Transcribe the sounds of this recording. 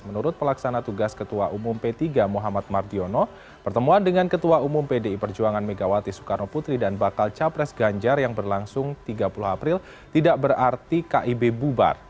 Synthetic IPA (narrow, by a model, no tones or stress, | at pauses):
mənuɾʊt̪̚pəlaksanat̪uɡaskət̪uaʔumʊmpet̪iɡamuɦamat̪̚mardiono | pbərt̪əmuandəŋankət̪uaumʊmpedeipərd͡ʒuaŋanmeɡawat̪isu̥kanoput̪ɾidanbakalt͡ʃapɾɛsɡaɲd͡ʒarjaŋbərlaŋsʊŋt̪iɡapuluɦapɾɪl | t̪idaʔbəɾart̪ikaʔibebuba̰r